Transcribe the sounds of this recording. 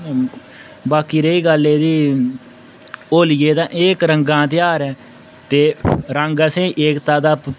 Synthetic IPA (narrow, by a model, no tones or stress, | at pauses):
baːkiːɾeiːɡəleːd̪iː | oːlɪjeːd̪ãːʔeːkɾəŋɡãːt̪ɪjaːɾɛː | t̪eːɾəŋɡəsẽːʔeːkt̪aːd̪aːp